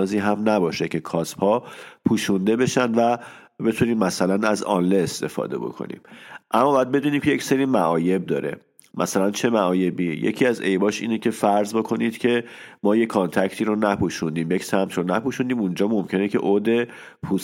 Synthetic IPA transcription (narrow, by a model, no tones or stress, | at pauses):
ɒːziːɦæmnæbɒːʃe̞cʰe̞kʰɒːsphɒːpʰuːʃund̪e̞be̞ʃænd̪væ | be̞t̪ʰuniːmæsælænæzɒ̰nleːst̪e̞fɒ̰ːd̪e̞̰bo̞̰kʰo̰nḭːmʔæmːɒːbɒjæd̪̚be̞d̪uːniːmcʰejecse̞ɾiːmæʔɒːje̞b̚d̪ɒːɾe̞̰ | mʔæ̰sælænt͡ʃʰe̞mæɒːje̞biːjʔḛcʰiːæze̞jbɒːʃḭːnecʰe̞fæɾzbo̞kʰo̞niːd̪̥cʰe̞mɒːje̞kʰont̪ʰæcʰt̪ʰiːɾonæpʰuːʃund̪iːmje̞csæmt̪ʰɾonæpuːʃund̪iːmund͡ʒɒːmo̞mcʰe̞necʰe̞̰ʔod̪e̞ | pʰuː